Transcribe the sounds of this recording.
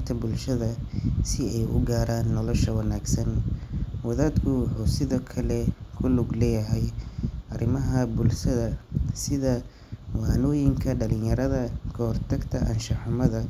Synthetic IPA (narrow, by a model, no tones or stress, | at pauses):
t̪ʰɐbʊlʃɐðɐsɪɛjʔʊ̰ɡaːɾaːnːɔlɔʃɐwɑnaːɡsɐnwɐðaːd̪kʰʊwɑħuːsɪðɔːkʰɐlɛkʰʊlʊɡlɛːjɐɦɛjʔɐrɪmɐɦɐbʊlʃɐðɐsɪðɐ | wɑːnɔːjɪŋkʰɐɖɐlɪnjɐɾɐðɐkʰɔhrt̪ʰɐɡt̪ʰɐʔɐ̰nʃɐħʊmɐðɐ